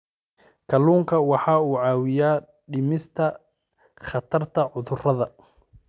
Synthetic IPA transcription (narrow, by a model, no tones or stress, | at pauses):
kʰɐluːŋkʰɐwɑħɑːuːʕɑːwɪjaː | ɖɪmɪst̪ʰɐ | χɐt̪ʰɐrt̪ʰɐʕʊðʊrɐðɐ